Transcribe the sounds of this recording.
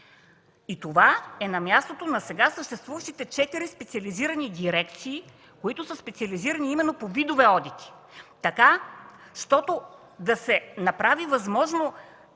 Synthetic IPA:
it̪ovaɛnɐmjast̪ot̪onɐsɛɡasəʃt̪ɛst̪vuvɐʃt̪it̪ɛt͡ʃɛt̪iɾispɛt̪siɐliziɾɐnid̪iɾɛkt̪siː | koit̪ʊsəspɛt̪siɐliziɾɐniimɛnːopovid̪ovɛɔd̪it̪i̥ | t̪ɐkaʃt̪ɔt̪o | d̪ɐsɛnɐpɾavivɐzmɔʒno

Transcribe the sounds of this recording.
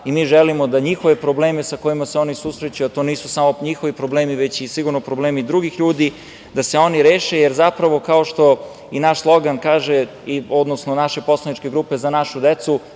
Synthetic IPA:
imiːʒelimod̪aɲixo̞ʋepɾoble̞ːmesako̞jimaseo̞nisusɾet͡ɕujuat̪o̞ːniːsusamo̞ɲixo̞ʋipɾo̞ble̞ːmiʋe̞t͡ɕisiɡuɾnopɾobleːmid̪ɾuɡixʎuːd̪i | d̪ase̞o̞niɾe̞ːʃe̞jeɾzapɾaʋo̞kao̞ʃt̪o̞ | inaʃslˠo̞ɡankaːʒe | io̞d̪nosnonaʃe̞po̞slˠanit͡ʃke̞ɡɾuːpe̞zanaʃud̪et̪su

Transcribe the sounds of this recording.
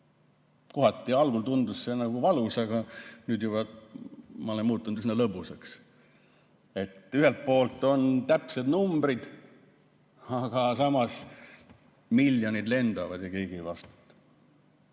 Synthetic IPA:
koɦɑt̪ːˑiɑlɡ̥ult̪und̪usːenɑɡ̥uvɑlusɑɡɑnyːd̪jubɑ | mɑo̞lenmuːt̪ːˑunut̪sinːɑlɤbuseks | e̞t̪ːyɦelt̪̚po̞ːlt̪ːˑo̞nt̪æpse̞d̪numbɾid̪̥ | ɑɡ̥ɑsɑmɑs | milːjo̞nid̪le̞nd̪ɑvɑd̪̥jɑkejɡ̥ivɑst̪t̪

